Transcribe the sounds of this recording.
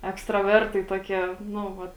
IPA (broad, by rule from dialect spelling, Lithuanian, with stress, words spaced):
ɛkstrɐˈʋʲɛrtɐɪ ˈtuɔˌkʲiɛ ˈnʊ ˈʋɐt